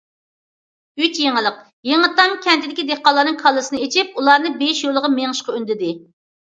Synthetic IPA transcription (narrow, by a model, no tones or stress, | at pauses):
yt͡ʃjeŋəlˠəq | jeŋət̪ːɑmkʲʰɛnt̪ʰɪd̪ɪkʲid̪eχqɑlˠːɑɾnɨŋkʰɑlˠːɨsɨnɨet͡ʃʰɪp̚ulˠɑɾnɨbeʃjolˠəʁɑmeŋɨʃqɑønd̪ɪd̪ɪ